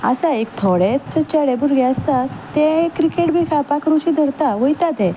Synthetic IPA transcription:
əsaekt̪ʰɔɽɛt͡ɕət͡ɕəɽɛ̃buɾɡɛ̃əst̪at̪ːɛ̃kːɾikeʈbʱikʰapãkəɾut͡ɕid̪ʱəɾt̪aʋəjt̪at̪ɛ̃

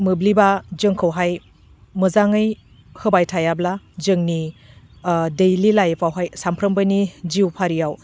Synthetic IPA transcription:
mɯblibazɯŋkʰɯwɦaj | mɯzaŋɯj | hɯbajtʰajabla | d͡ʒɯŋni | dejlilajpʰawɦajsampʰɾəmbanid͡ʒiwpʰaɾijaw

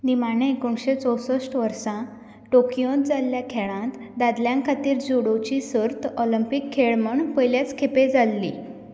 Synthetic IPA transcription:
nimanẽekuɳɕet͡sɔwsəsʈʋəɾsã | ʈokijot̪d͡zalːjakʰeɭãt̪ | d̪ad̪ljãŋkʰat̪iːɾd͡zuɽot͡ɕisəɾt̪ɔləmpikʰːeɭməɳpəjljat͡skʰeped͡zʱalːḭ

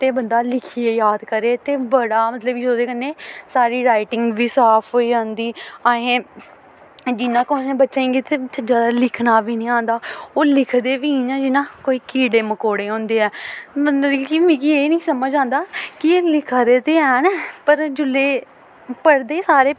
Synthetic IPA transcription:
t̪eːbənd̪aːlɪkʰiːeːjaːd̪kəɾeːt̪eːbəɽaːmət̪ləbid͡ʒoːd̪eːkənːeːsaːɾiːɾaːɪʈɪŋɡʋiːsaːpʰɦoːiːãːnd̪iːaːɦẽː | d͡ʒɪnãːkʊːnẽːbətːʃeẽːɡeːt̪eːt͡ʃəd͡ʒaːd̪aːlɪkʰnaːʋiːnĩːãːnd̪aːoːlɪkʰd̪eːʋĩːd͡ʒãːd͡ʒɪnãːkoːiːkiːɖeːməkoːɽeːɦõːnd̪eːɛːmənd̪əɾikimĩːkieːnĩːsəməd͡ʒãːnd̪aːkɪeːlɪkʰaːɾeːt̪eːɛːnɛpəɾd͡ʒʊleː | pəɽd̪eːsaːɾeː

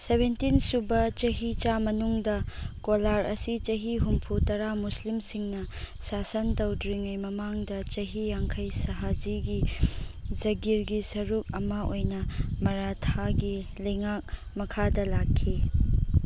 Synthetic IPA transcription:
sebentinsubɐt͡ʃɐɦit͡ʃamɐnuŋdɐkolaɾɐsit͡ʃɐɦiɦumpʰutɐɾamuslimsiŋnɐ | sasɐntɐwdɾiŋɐjmɐmaŋdɐt͡ʃɐɦijaŋkʰɐjsɐɦad͡ʒiɡi | d͡ʒɐɡiɾɡisɐɾuk̚ɐmɐʔojnɐmɐɾatʰaɡilɐjŋak̚ | mɐkʰadɐlakʰːi

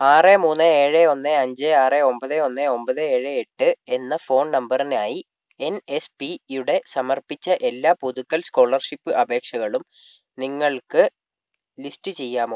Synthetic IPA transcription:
aːremuːnːɨeːɻeo̞nːeɐɲd͡ʑeaːreo̞mbɐðeo̞nːeo̞mbɐðɨeːɻɨeʈːɨe̞nːɐfo̞ːɳnɐmbɐrinaːji | e̞nespijuɽe̞sɐmɐrpit͡ɕːɐʔe̞lːaːpuðukːɐlsko̞ːɭɐrʂipːɨʔɐbʱe̞ːkʂɐɣɐɭum | niŋːɐɭkɨ | listɨt͡ɕe̞jːaːmoː

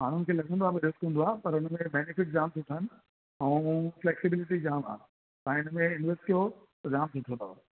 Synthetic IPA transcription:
maːɽ̤ʊnɪ̆kʰeːlɐɡʱə̃nd̪oaːbiɾɪskɦũnd̪oaːpɐɾʊnəmẽbɛːnɪfɪʈ̚d͡ʑaːmsʊʈʰənɪ̆ | ɛ̃ːfleːksɪbɪlɪʈid͡ʑaːma̰ː | ãːɪnmẽɪnʋesʈkijot̪ɐd͡ʑaːmsʊʈʰõnd̪o̰a

